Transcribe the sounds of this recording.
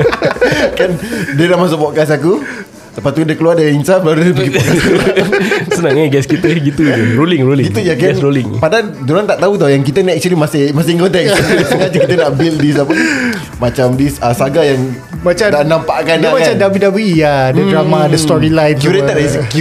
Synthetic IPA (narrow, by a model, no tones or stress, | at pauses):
kandəɾamas̬ɔbɔʔkas̬aku | t̪əpat̪udakəluardaiinsablaɾudəbəɡipa | sənaŋəɡɛskit̪uɡit̪ud͡ʒɾolɪŋɾolɪɡiujakaɛnsɾolɪŋpada | duɾant̪aʔt̪aut̪ajaŋk̬it̪ənaʔɛk̚t͡ʃuəlimasɪmasɪŋkɔnt̪ɛksaŋad͡ʒkit̪̬ənaʔbildisapə | mat͡ʃamdisəsaɡajaŋ | mat͡ʃad̪anampaʔkanamakat͡ʃadawidawijadədɾamadəst̪ɔɾilajfkuɾɛt̪aʔdais̬ki